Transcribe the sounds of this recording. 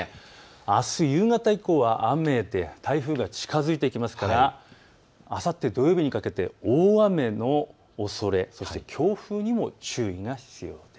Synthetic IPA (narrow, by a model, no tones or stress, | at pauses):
asɨjɯːŋat̪aiko̞ːβaʔame̞d̪e̞t̪ʰaiɸɯːɡat͡ɕi̥kazɨit̪eikʲimasɨ̥kaɾa | asat̪ːe̞d̪o̞jo̞ːbʲiɲ̟ikake̞t̪e̞̰oːame̞no̞ː | so̞ɾe̞so̞ɕi̥t̪e̞kʲʰo̞ːɸɯ̟ːɲ̟imo̞t͡ɕɨːiŋaçi̥t͡sɨjo̞ːd̪̥e